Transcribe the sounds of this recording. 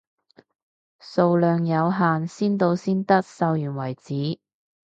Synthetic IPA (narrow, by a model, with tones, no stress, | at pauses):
so˧wlœː˨˧ŋjɐ˨˧wɦaː˨nsiː˥nt̪o˧wsiː˥nt̪ɐ˥k̚sɐ˧wjyː˨˩nwɐ˨˩jt͡siː˨˥